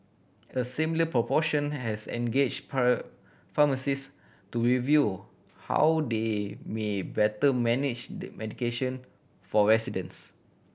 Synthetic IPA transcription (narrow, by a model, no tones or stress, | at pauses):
əsĩmiləpɹɔpɔʃə̃nhɛsɛ̰̃nɡed͡ʒ | faməsis | tuɹivju | ha̰wdemebɛtəmɛnid͡ʒdɛ̰mʔɛdikeʃə̃n | fɔɹɛsidə̃ns